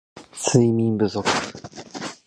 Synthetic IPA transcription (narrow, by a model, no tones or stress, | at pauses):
sɨimʲĩmbɯ̟zo̞kɯ̥̟